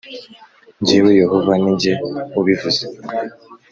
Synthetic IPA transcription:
ɲɟiwejeɦovaniɲɟeuβivuze

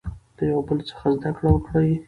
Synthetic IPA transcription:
d̪̥əjawabəlt͡sə̥xazd̪akɽawəkɽaj

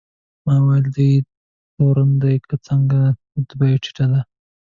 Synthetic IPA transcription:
mɑwajld̪əj | t̪oɾand̪ajkət͡səŋɡa | d̪bajʈ͡ʂi̥ʈad̪a

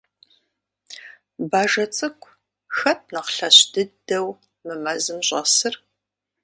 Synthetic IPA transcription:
baːʒɐt͡sʼɨkʷʰʼ | xɐt̚ʰnɐqɬɐɕd̥ɨdɐw | mɨmɐzɨmɕʼɐ̰sɨr

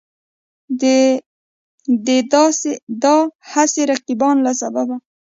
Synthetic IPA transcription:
d̪ed̪sed̪ɑhaseɾaqibɑnlasababa

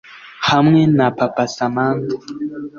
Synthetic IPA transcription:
hamŋɛnapapasamant̪ɔ

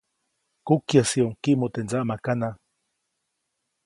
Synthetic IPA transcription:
kukjasioŋkiʔmot̪enzaʔmakana

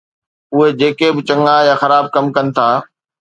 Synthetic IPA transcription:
ʊɦed͡ʑeːkebɪt͡ɕɐ̃ŋajaxɐɾaːb̚kɐmkɐnɪ̆t̪ʰaː

